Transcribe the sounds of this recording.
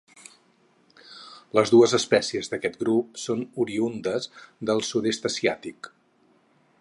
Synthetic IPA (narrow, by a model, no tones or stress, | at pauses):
ləzðuəzəspɛsiəzðəkɛt̪ɡɾup̚sonuɾiund̪əzðəlˠsudest̪əsiat̪ik